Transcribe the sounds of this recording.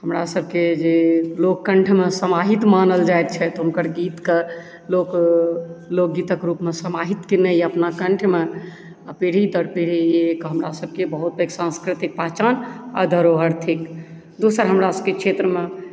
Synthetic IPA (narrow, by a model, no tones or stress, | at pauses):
ɦəmɾasəbʱked͡ʒelokːəɳʈʰmesəmaɦit̪manəld͡ʒaet̪̚t͡ʃʰɛt̪ɔɦunkəɾɡit̪ke | lok | lok̚ɡit̪əkɾupmesəmaɦit̪kinɛjəpnakəɳʈʰme | apeɽ̤id̪əɽpeɽ̤iekɦəmɾasəb̚kebəɦut̪̚beksãnskɾit̪ik̚pəɦt͡ʃana̰d̪ʱəɾoɦəɾt̪ʰik | d̪osəɾɦəmɾasəbkekʃʰet̪ɾəme